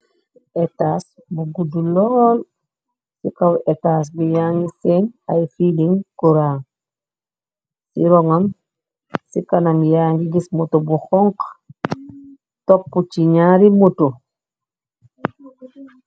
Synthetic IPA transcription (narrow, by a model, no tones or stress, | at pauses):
ʔɛtas | buɡudulɔːl | sikawɛtaːs̬bijaːŋɡisenajfiliŋkuɾaːŋ | sḭɾɔŋam | sikanamjaŋɡiɡismotobuxɔŋk | topːut͡ʃiɲaɾimoto